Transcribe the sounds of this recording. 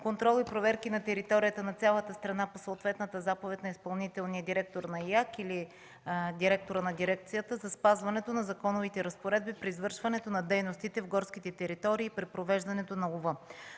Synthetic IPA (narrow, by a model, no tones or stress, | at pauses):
kont̪ɾɔlˠipɾovɛɾkinɐt̪ɛɾit̪ɔɾijət̪ənɐt̪sʲalˠət̪əst̪ɾɐnaposəot̪vɛt̪nət̪əzapovɛt̪ʲnɐispɐlˠnit̪ɛlˠnijəd̪iɾɛk̚t̪oɾnɐjakili | d̪iɾɛk̚t̪oɾənɐd̪iɾɛk̚t̪sijət̪əzɐspazvɐnɛt̪onɐzɐkɔnovit̪ɛɾɐspoɾɛd̪bipɾiːzvɤɾʃvɐnɛt̪onɐd̪ɛjnost̪it̪ɛvɡɔɾskit̪ɛt̪ɛɾit̪ɔɾiːpɾipɾovɛʒd̪ɐnɛt̪onɐlˠovɤ